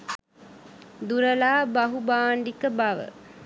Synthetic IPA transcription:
d̪uɾɐlaːbɐɦubaːɳɖikəbɐʋə̰

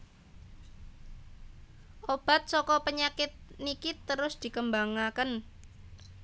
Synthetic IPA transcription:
ʔob̥a̤t̪̚sɔkɔpəɲakɪt̪̚nikit̪əɾʊsd̪̥i̤kəmbaŋakən

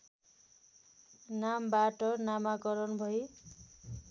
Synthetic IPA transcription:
nambaʈʌnamakʌɾʌnbʱʌj

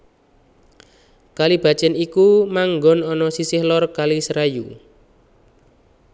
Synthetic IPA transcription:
kalib̥a̤t͡ʃɛnikumaŋɡɔnɔnɔsisɪhlɔrkalisɾaju

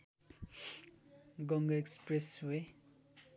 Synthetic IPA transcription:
ɡʌŋɡʌekspreswe

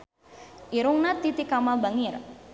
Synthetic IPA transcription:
ʔiɾuŋnat̪it̪ikamalbaŋir

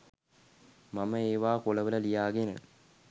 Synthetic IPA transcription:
maməeːʋaːkoləʋələlijaːɡenə̰

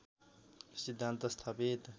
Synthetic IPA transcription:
sid̪ʱant̪ɐst̪ʰapet̪

